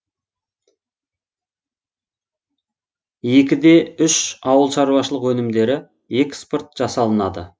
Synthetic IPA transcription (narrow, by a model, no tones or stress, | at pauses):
je̞kʲɪd̪e̞ʏʃɑwəlˠʃɑɾuwɑʃəlˠəqwɵnɪmd̪e̞ɾɪ | e̞kʲspʊrt̪̚ʒ̥ɑsɑlˠənɑd̪ə̰